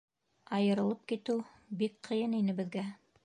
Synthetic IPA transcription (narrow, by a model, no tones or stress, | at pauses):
ɑjɤ̆ɾɤ̆lˠɤp̚kit̪ɘw | bikqʰɤ̆jɤninɘ̆βɘ̆ðɡæ